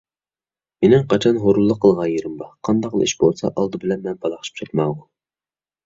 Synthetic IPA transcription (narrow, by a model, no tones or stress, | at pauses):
menɪmqʰɑt͡ʃʰɑnɦoɾulˠːəqʰːəlˠʁɑjeɾɪmbɑqʰɑnd̪ɑql̰ˠḭʃbolˠsɑ̰ʔɑlˠd̪ɨbɪlɛnmɛnbɑlˠɑχʃi̥p̚t͡ʃʰɑt̪mɑʁʊ